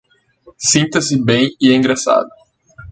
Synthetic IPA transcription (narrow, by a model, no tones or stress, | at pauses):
sĩt̪ɐsɪbẽj̃ɪẽɡɾasa̰d̪ʊ